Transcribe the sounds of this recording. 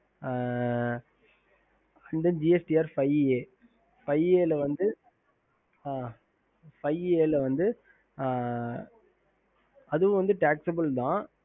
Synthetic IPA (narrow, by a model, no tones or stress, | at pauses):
ɐnd̪ɐnd͡ʒiɛsʈiaːɾfɐɪeː | fɐɪeːlɐʋɐnd̪ɯ | aː | fɐɪeːlɐʋɐnd̪ɯ | ɐðɯʋʊ̃ʋɐnd̪ɯʈaːksɐbɐlt̪ãː